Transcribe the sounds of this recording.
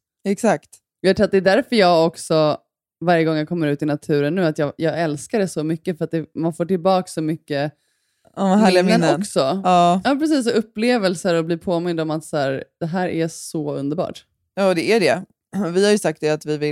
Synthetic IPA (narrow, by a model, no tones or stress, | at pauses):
ɛksakt̪ | jat̪ʰʊːat̪̚d̪ɛd̪æɾfœɾjɑːɡɔksɔ | vaɾjəɡɔŋːjakʰɔmːəɾʉ̟ːt̪ɪnat̪ʰʉ̟ːɾənːʉ̟ːat̪jɑːjɑːɡɛlskaɖɛsɔmʏkːəfœɾat̪̚d̪ɛmanfoːʈɪlbɑːksɔmʏkːə | ɔvaɦæːɭɪamːənɔksɔɑːjɑːpɾɛs̬iːs̬ɔɵpːleːvəlsəɾɔbliːɾpʰoːmɪnd̪ɔmat̪sæːɾd̪̥ɛɦæːɾʔæsɔɵ̰nd̪əɾbɑ̰ːʈ | jɑːd̪ɛæɖɛ | vɪhaɾjɵsak̚t̪̚d̪ɛat̪vɪvɪ